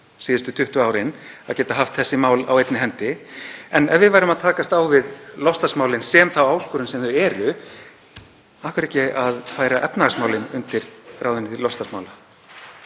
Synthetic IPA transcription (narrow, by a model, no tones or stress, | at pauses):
siːðɪst̪ʏt̪ʰʏht̪ʏaːwɾɪna̰ðcɛːt̪aɦaft̪θɛsːɪmaːwla̰wejt̪nɪɦɛnt̪ɪɛnɛvɪðvajɾʏmaðt̪ʰaːkast̪awvɪðlɔfst̪asmaːwlɪnsɛmθawaːwskʏɾʏnsɛmθʏɛːɾʏ | ahkʏɾeɛcɛaðfaːjɾaʔɛpnaasmaːwlɪnʏnt̪ɪɾ̥raːwðɪnɪt̪ʰɪlɔfst̪asmaːwla